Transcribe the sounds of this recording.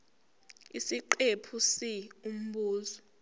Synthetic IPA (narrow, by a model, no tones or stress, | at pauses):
isiǃepʰusium̩ɓuːzɔ